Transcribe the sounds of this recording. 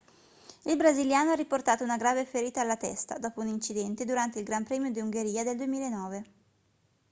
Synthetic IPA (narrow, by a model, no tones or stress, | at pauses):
ilbɾaziljaːnoarːiport̪aːt̪ounaɡɾaːvefeɾiːt̪aːlːat̪ɛ̰st̪a̰d̪ɔːpounint͡ʃid̪ɛnt̪ed̪uɾant̪eilɡɾampɾɛːmjod̪iuŋɡeɾiːad̪eld̪uemiːlaenːɔːve